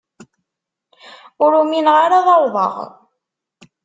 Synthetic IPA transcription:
ʊɾuminʁaɾaðˤɑwðˤɑ̰ʁ

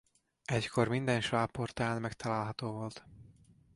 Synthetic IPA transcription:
ɛckʰo̞rmind̪ɛnʃvaːpːort̪aːnmɛkt̪ʰɒlaːlɦɒt̪oːvolt̪

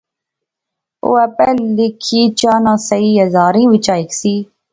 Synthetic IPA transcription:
o̰ːɛpɛːlɪkʰiːt͡ʃaːnãːsəiːəzaːɾĩːʋɪt͡ʃaːɪksiː

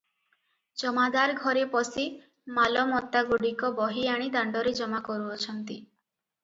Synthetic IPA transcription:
d͡ʒɔmad̪aɾɡʱɔɾepɔsi | malɔmɔt̪aɡuɽikɔbɔɦiaɽ̃id̪aɳɖɔɾed͡ʒɔmakɔɾuɔt͡ʃʰɔnt̪i

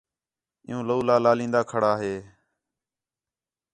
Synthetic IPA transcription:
ɪ̰jũːloːlaːlaːlĩːnd̪aːkʰəɽaːɦeː

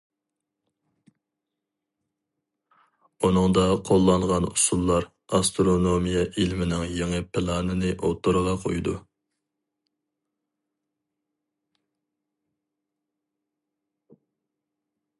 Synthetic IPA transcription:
unɨŋd̪ɑqʰolˠːɑnʁɑnṵsulˠːɑɾ | ɑst̪ɾonomijɑʔilmɪnɪŋjeŋɨpʰɪlˠɑːnɨnɨʔot̪ʰoɾəʁɑqʰojd̪u

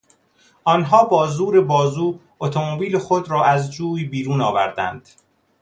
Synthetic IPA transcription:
ʔɒːnɦɒːbɒːzuːɾe̞bɒːzuː | ot̪ʰomobiːlexod̪ɾɒːʔæzd͡ʒuːiːbiːɾuːnɒːvæ̰ɾd̪æ̰nd̪̥

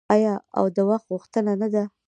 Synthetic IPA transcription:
ɑjɑa̰wd̪əwaxt̪ɣuxt̪ənanad̪a

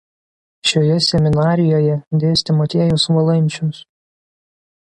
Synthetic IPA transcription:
ʃʲoːjɛsʲɛmʲɪnɑːɾʲɪjoːjɛd̪ʲeːsʲt̪ʲɪmɔt̪ʲeːjʊsʋɐlˠɐnʲˑt͡ʃʲʊs

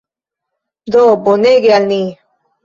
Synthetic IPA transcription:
d̪oboneɡealni

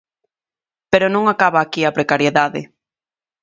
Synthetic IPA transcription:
peɾonõŋakaβaːkiapɾekaɾjeðaðɪ̰

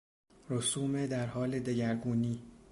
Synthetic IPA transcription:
ɾosuːmed̪æɾhɒːle̞d̪eɟæɾɡuːniː

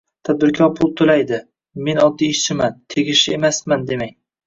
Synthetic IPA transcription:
t̪ʰad̪̚bɪɾkʲʰɒɾpʰʊlˠt̪ʰolajd̪ɪ | me̞nɒd̪ːiːʃt͡ʃʰɪmant̪ʰeɡʲɪʃɪemasmand̪e̞maŋ

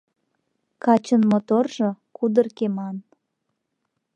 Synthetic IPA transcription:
kɑt͡ɕənmot̪orʒokud̪ərkemɑn

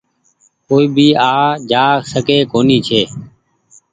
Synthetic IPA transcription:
koːiːbʱiːaːd͡ʒaːsəkeːkoːniːt͡ʃʰeː

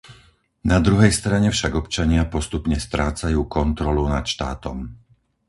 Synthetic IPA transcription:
nad̪ɾuɦɛjst̪ɾaɲɛfʃaɡɔpt͡ʃaɲɪapɔst̪upɲɛst̪ɾaːt͡sajuːkɔnt̪ɾɔlunat̪ʃt̪aːt̪ɔm

